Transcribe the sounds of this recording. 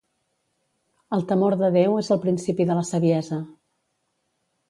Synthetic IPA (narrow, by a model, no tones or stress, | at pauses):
əlˠt̪əmoɾðəðewezəlˠpɾinsipiðələsəβiɛzə